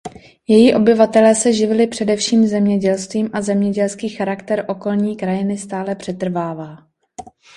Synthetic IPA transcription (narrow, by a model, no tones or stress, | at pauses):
jɛjiʔo̞bɪvat̪ɛlɛːsɛʒɪvɪlɪpr̝̥ɛdɛfʃiːmzɛmɲɛɟɛlst̪viːmʔazɛmɲɛɟɛlskiːxaɾakt̪ɛɾʔo̞ko̞lɲiːkɾajɪnɪst̪aːlɛpr̥ɛt̪r̩vaːvaː